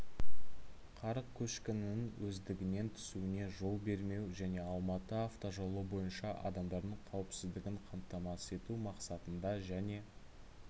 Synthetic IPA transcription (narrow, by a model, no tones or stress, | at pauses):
qʰɑɾəq̚kʲʰɵʃkʲɪnɪnɪŋwʔɵzd̪ɪɡʲɪne̞nt̪ʰʏ̥suɪne̞ʒo̞lˠbe̞ɾme̞wʒæne̞ɑlˠmɑt̪əaft̪o̞ʒolˠobo̞jənʃɑʔɑ̰d̪ɑmd̪ɑɾd̪əɴqʰɑwəpsɪzd̪ɪɡʲɪɴqʰɑmt̪ːɑmɑse̞t̪umɑqsɑt̪ənd̪ɑʒæne̞